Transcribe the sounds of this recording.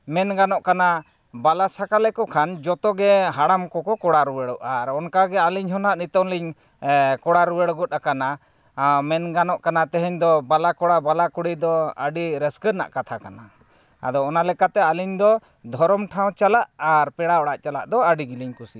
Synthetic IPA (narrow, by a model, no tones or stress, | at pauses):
mɛnɡanɔʔkana | balasakalɛkɔkʰand͡ʒɔt̪ɔɡɛɦaɽamkɔkɔkɔɽaɾuwəɽɔʔaɾɔnkaɡɛaliɲɦɔnaʔnit̪ɔnliɲ | kɔɽaɾuwəɽɡɔt̪̚akana | mɛnɡanɔʔkanat̪ɛɦɛɲd̪ɔbalakɔɽabalakuɽijd̪ɔa̰ɖiɾɛskəɾna̰ʔkat̪ʰakana | a̰d̪ɔːnalɛkat̪ɛaliɲd̪ɔ | d̪ʱɔɾɔmʈʰaw̃t͡ʃalaʔaɾpɛɽaɔɽaʔt͡ʃala̰ʔd̪ɔaɖiɡiliɲkusi